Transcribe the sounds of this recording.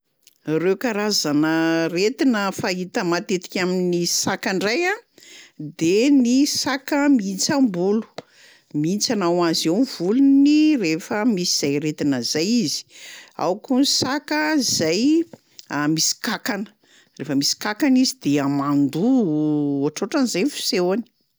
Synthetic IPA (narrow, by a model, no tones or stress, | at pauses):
rewkaɾazanəret̪inəfaɦit̪əmat̪et̪i̥kʲaminisakaɳɖ͡ʐaja | d̪enisakəmint͡sambulu̥ | mint͡sanawazewnvulunirefəmisiz̥ajret̪inəzajizi̥a̰wkunsakəzaj | amisi̥kakanə̥ | refəmisi̥kakanizid̪eamand̪u | aʈ͡ʂoʈ͡ʂanizajnfi̥sewani̥